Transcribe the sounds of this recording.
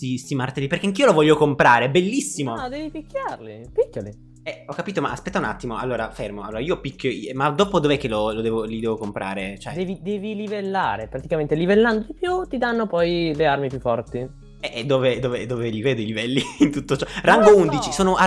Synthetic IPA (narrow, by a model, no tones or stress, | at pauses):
sist̪imart̪elipeɾrk̟eaŋk̟iːolovɔʎːokompɾaːɾebelːisːimod̪ɛːvipikːjarlipikːjolḭ | ɛɔkːapiːt̪oma̰a̰spɛt̪ːauna̰t̪ːimoa̰lːoːɾafermoaloːɾaiːopikʰʲːjoimad̪oːpod̪ovɛkːelolod̪ɛːvolid̪ɛːvokompɾʔa̰ːɾet͡ʃoɛdd̪ɛːvid̪ɛːvilivelːaːɾepɾat̪ikament̪elivelːand̪od̪ipjut̪id̪anːopɔjlearmipjufːɔrt̪i | ɛʔd̪ːoːved̪oːved̪oːveliveːd̪oilivɛlːiint̪ut̪ːot͡ʃɔraŋɡound̪it͡ʃisoːnoʔa